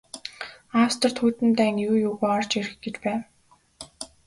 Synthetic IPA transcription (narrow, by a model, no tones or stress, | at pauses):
awst̪ɞ̆r̥t̪ʰuːt̪ɘ̆nt̪æːŋjuːjʊːɣuːɔrt͡ɕeɾɘ̆xɡet͡ɕpæːw